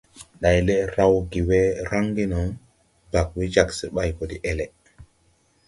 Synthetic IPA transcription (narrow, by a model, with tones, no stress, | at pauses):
ɗa˨jle˦ɾa˦wɡi˨we˦ɾa˦ŋɡi˦nɔ˨ŋ | ba˨k̚wi˦d͡ʒa˦˨kse˨ɓa˦jko˨di˦ʔe˦le˨